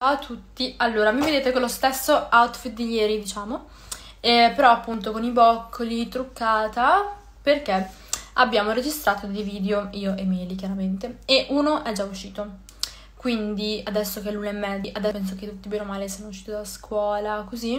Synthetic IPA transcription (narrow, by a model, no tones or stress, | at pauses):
awt̪ʰut̪ːialːoːɾamived̪eːt̪ekolːost̪esːoawt̪fit̪̚d̪iʎːɛːɾid̪it͡ʃaːmo | ɛpeɾɔapːunt̪̬okonibɔkʰːolit̪ɾukːaːt̪a | perk̟e | a̰bːjaːmoɾed͡ʒist̪ɾaːt̪ond̪iviːd̪eoiːoʔemɛːlikjaɾament̪eeʔuːnoʔɛd͡ʒauʃːiːt̪o | kwind̪iad̪ɛsːok̟ɛlːuːnoɛmːɛd̪iʔad̪ɛpɛns̬oket̪ut̪ːibenomaːlesianouʃːiːt̪id̪alːaskwɔːlakozi